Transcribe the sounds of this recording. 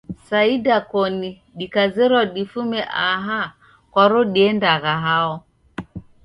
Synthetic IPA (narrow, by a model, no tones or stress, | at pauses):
saidakɔni | ɗikazɛɾɔɗifumɛʔaɦa | kɔɾɔɗiɛndaɣaɦaɔ